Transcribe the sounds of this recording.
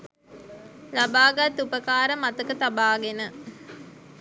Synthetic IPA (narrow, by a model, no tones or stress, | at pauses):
labaːɡat̪ːupəkaːɾəmat̪əkət̪abaːɡenə